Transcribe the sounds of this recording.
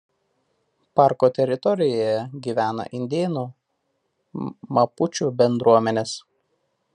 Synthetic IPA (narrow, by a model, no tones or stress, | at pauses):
pɑˑɾkoːt̪ʲɛɾʲɪt̪ɔɾʲɪjoːjɛɡʲiːʋʲæːnɐ̰ʔɪnʲd̪ʲeːnuː | mɐpʊt͡ʃʲuːˑbʲɛnd̪ɾuɔmʲɛnʲeːs